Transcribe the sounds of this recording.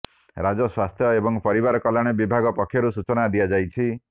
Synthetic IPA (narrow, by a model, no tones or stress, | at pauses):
ɾad͡ʒɔswast̪ʰjɔebɔŋpɔɾibaɾɔkɔlaɽ̃ebibʱaɡɔpɔkʰjɔɾusut͡ʃɔnad̪ijad͡ʒajt͡ʃʰi